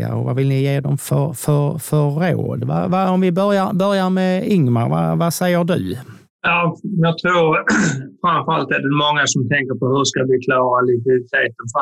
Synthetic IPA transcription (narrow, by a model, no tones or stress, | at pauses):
a̰ɾɔ̰vavɪlnɪjeːd̪ɔmfœɾfœɾfœo̰ːd̪va̰vaɔmvɪbœɾjaɾbœɾjaɾmɛʏŋmaɾva̰vasɛjːəɖɵ̰ | jɑːjɑːɡ̚t̪ʰɾuːɾfɾanfœɾalt̪ɛdɛmɔŋːasɔmt̪ʰɛŋkəɾpɔhɵʂskavɪkʰlɑːɾalɪt̪ɪt̪ʰeːt̪ənf